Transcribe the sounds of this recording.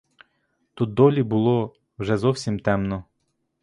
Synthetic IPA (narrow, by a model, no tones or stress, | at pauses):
t̪ut̪̚d̪ɔlʲibʊlˠɔ | wʒɛzɔwsʲimt̪ɛmnɔ